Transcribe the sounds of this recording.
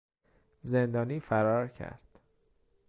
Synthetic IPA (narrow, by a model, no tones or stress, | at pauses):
ze̞nd̪ɒːniːfæɾɒːɾcʰæ̰ɾd̪̥